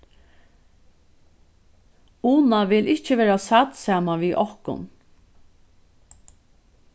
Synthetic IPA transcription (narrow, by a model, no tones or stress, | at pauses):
uːnaʋɪlɪht͡ʃəʋɛːɾasat̪saːmaʋiːʔɔhkʊ̰n